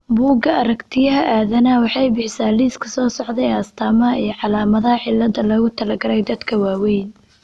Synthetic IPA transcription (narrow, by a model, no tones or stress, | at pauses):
buːɡɐʔɐɾɐkt̪ʰɪjɐɦɐʔaːðɐnɐwɑħɑjbɪħɪsaːliːskʰɐsɔːsɔʕd̪ɛjɐst̪ʰaːmɐɦɐijɞʕɑlaːmɐðɐhɐħɪlːɐd̪ɐlɔːɣʊt̪ʰɐlɐɡɐɾɛjd̪ɐd̪kʰɐwaːwɛjn